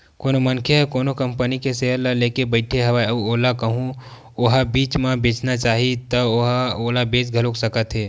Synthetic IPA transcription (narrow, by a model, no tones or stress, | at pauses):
koːnomɐnkʰeɦɛkoːnokɐmpənikeseɦəɾlaleːkebəɪʈʰeɦɐʋaɐoːlakɐɦũ | oɦabiːt͡ʃmãbeːt͡ʃnat͡ʃaːɦit̪ɐoɦaoːlabeːt͡ʃɡʱɐloksɐkət̪ɦeː